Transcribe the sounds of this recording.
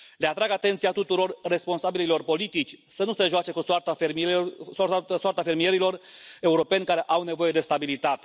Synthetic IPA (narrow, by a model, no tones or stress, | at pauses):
leat̪ɾaɡat̪e̞nt̪siat̪ut̪uɾo̞rːe̞spo̞nsabililo̞rpo̞lit̪it͡ʃʲsənuseʒoat͡ʃe̞kusoart̪afemisswart̪afe̞rmije̞ɾilo̞re̞uɾo̞pe̞nʲkaɾe̞ʔawne̞vo̞je̞d̪e̞st̪abilit̪at̪e̞̥